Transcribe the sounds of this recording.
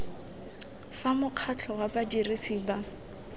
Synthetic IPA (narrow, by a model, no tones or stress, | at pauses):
famʊq͡χʰat͡ɬʰɔwabadirisiːba